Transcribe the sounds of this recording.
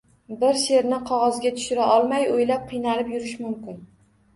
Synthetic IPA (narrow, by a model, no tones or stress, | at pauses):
bɪɾse̞ɾnɪqʰɒʁɒzɡʲat̪ʰʊ̥ʃɪɾaʔɒlˠmajojlap̚qʰɨjnaɾɪpjʊɾɪʃmʊmkʲɪn